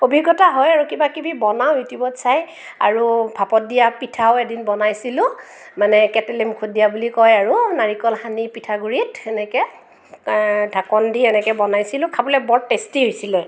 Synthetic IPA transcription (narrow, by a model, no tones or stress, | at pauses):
obʱiɡɔtaɦɔjaɹukibakibibɔnawjutibɔtsaj | a̰ɹubʱapɔt̚dijapitʰaʊɛdinbɔnajsilʊ̃ | manɛkɛtɛlɛmukʰodijabulikɔjaɹunaɹikɔlxanipitʰaɡuɹitɛnɛkɛ | dʱakɔndiɛnɛkɛbɔnajsilʊ̃kʰabɔlɛbɔɹtːestiɦojsilɛ